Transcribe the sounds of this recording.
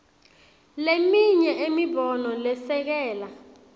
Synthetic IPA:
lemiɲɛʔemibɔnɔlɛsɛk̬ɛːla

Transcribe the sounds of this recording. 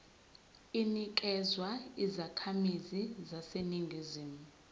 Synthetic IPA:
inik̬ʼɛzwaizakʰamizizaseniŋɡʱiziːmu

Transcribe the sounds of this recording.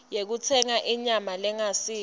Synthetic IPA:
jek̬ut͡sʰɛŋaʔiɲamalɛŋasiː

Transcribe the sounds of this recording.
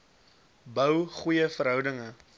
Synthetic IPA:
bəwχujəfəɾɦœwdəŋə

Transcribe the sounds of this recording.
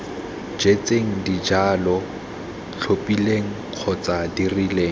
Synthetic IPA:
d͡ʒet͡sʼeŋ̩did͡ʒaːlɔ | t͡ɬʰopʼileŋ̩q͡χʰɔt͡sʼadirileː

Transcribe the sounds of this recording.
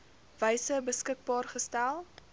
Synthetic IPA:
vəjsəbəskək̚bɑːrχəstælˠ

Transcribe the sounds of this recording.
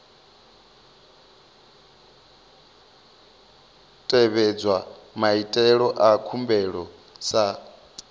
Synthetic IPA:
tʼɛβɛd͡zwamaitʼɛɺɔʔakʰumbɛɺɔ | sa

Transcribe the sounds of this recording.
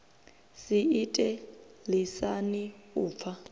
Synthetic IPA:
siitʼɛ | lisaniuːp̪fʰa

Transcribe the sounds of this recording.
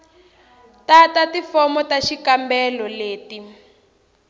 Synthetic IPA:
tatatifɔmɔtaʃikambɛlɔleːti

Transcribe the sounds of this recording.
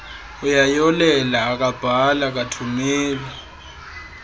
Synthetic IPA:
ujajɔlɛlaːk̬ab̥ʱalak̬atʰumɛːlɛ

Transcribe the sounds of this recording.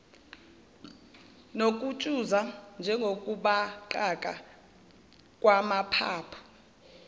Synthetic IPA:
nokʼut͡ʃʼuzand͡ʒʱɛŋɡʱokʼuɓaǃakʼa̰ | kʼwamapʰa̰ːpʰɔ̥

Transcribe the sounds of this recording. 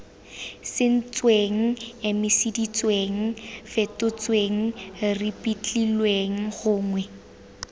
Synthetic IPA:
sɪn̩t͡sweŋ̩emɪsidit͡sweŋ̩fɛtʊt͡sweŋ̩ripʼit͡ɬʼilweŋ̩χʊːŋwɛ

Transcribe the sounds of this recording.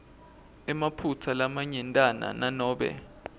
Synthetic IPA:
ɛmapʰutʰalamaɲɛntʼana̰nanɔːɓɛ̰

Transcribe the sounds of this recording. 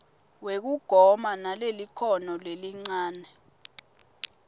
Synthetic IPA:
wek̬uɡ̥ʱɔmanalelikʰɔnɔleliŋ͡ǀaːnɛ

